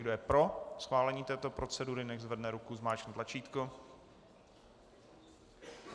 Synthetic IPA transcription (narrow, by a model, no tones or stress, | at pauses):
ɡdojɛpɾo̞sxvaːlɛɲiːt̪ɛːt̪o̞pɾʔo̞t͡sɛduɾɪnɛɣzvɛdnɛɾukuzmaːt͡ʃnɛːt̪lat͡ʃiːt̪ko